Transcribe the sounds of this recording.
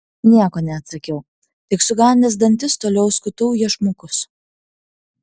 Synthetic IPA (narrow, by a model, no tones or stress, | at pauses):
nʲiɛkoːnʲɛɐt̪sɐkʲɛʊ | t̪ʲɪksʊɡɑːnʲd̪ʲeːsd̪ɐnʲt̪ʲɪst̪oːlʲɛʊskʊt̪ɐʊjiɛʃmokʊs